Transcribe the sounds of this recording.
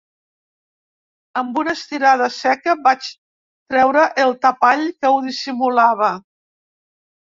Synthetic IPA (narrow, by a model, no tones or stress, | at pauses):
əmbunəst̪iɾað̞əsɛkəbat͡ʃ | t̪ɾɛwɾəʔəlˠt̪əpaʎkəwðisimulaβ̞ə